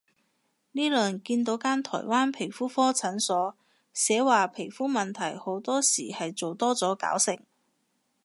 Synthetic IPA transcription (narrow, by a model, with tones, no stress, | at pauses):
niː˥lœː˨ŋkiː˧nt̪o˨˧˥wkaː˥nt̪ʰɔ̰ː˨˩jwaː˥npʰe˨˩jfuː˥fɔː˥t͡sʰɐ˨˥nsɔː˨˥ | sɛː˨˥waː˨pʰe˨˩jfuː˥mɐ˨nt̪ʰɐ˨˩jho˨˥wt̪ɔː˥siː˨˩hɐ˨jt͡so˨wt̪ɔː˥t͡sɔː˨˥ka̰ː˨˥wsɪ˨ŋ